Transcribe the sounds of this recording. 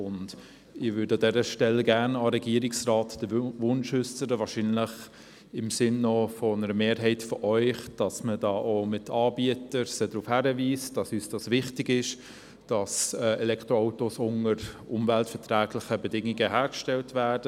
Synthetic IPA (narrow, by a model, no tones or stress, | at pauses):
ʊnd | ɪvʏːɾdəɑdɛɾəʃtɛlːəɡæːɾnɑɾɛɡiəɾɪksraːtd̥əvʊnʃʏsəɾəvɑːɾʃinləχ | ɪmsɪnːɔfɔnəɾəmeːɾɦɛɪtfɔʔœʏχd̥ɑsmədɑːʔomɪtʰɑːbiətəɾsədɾufhæɾəviːsd̥ɑsyːsd̥ɑsʋɪχtɪɡɪʃ | d̥ɑsɛːɛlɛkʰtɾoaʊtosʊnəɾʊmvæltfɛtræːɡlɪχəbɛdɪŋːɪɡəɦæːɾkʃtɛltvæːd̥ə